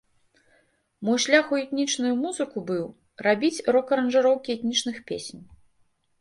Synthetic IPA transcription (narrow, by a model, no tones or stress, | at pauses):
mɔjʃlʲaxuɛt̪nʲit͡ʂnujumuzɨkubɨw | rabʲit͡sʲrɔkɐɾɐnʐɨɾɔwkʲiɛt̪ʲnʲit͡ʂnɨxpʲḛsʲnʲ